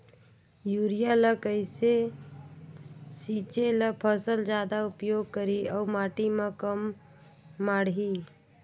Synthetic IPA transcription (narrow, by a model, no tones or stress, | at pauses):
juɾijaləkəɪse | sit͡ʃeləpʰəsəld͡ʒad̪aupjoɡ̚kəɾiəʊmaʈiməkəmː | aɽɦi